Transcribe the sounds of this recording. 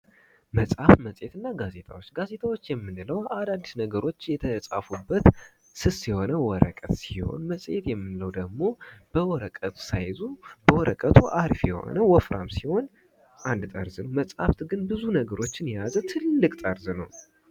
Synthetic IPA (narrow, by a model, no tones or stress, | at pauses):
məsʼhafməsʼjet̪ɨnːaɡaze̞t̪ʰa̰wo̞t͡ʃːɡaze̞t̪ʰʼawo̞t͡ʃːjɛmːɨnɨləwad̪ad̪ːisnəɡəɾo̞t͡ʃːjɛt̪ʰəsʼafubːət̪ | sɨsiho̞nəwɔɾə̰kʼət̪siho̞̰nməsʼjḛt̪jɛmːɨnləwd̪əɡmo̞b̥əwɔɾəkʼət̪ʰu̥sajzub̥əwɔɾəkʼət̪ʰuʔaɾfjɛho̰nəwɔfɾʔa̰msiho̞n | ʔand̪t̪ʼəɾzɨnəwməsʼha̰ft̪ɡɨnbɨzunəɡəɾo̞t͡ʃːɪnjazət̪ʰɨlːɨkʼt̪ʼəɾzɨnəw